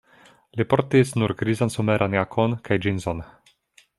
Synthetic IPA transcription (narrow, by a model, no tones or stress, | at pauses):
lipoɾtisnuɾɡɾizansomeɾʔanjakʰonkʰajd͡ʒinzon